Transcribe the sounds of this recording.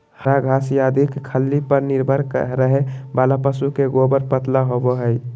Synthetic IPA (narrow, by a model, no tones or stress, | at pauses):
həɾaɡʱasjad̪ʱikkʰəlːipəɾniɾbʱəɾkə̰ɦɾəɦebalapəsukeɡobəɾpət̪laɦoboɦəj